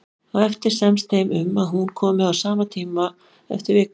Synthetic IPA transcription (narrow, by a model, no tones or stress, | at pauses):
aðɛft̪ɪɾ̥sɛmst̪ʰejmʏmaðɦunkʰɔːmɪawsaːmat̪ʰiːma | ɛ̰ft̪ɪɾvɪːk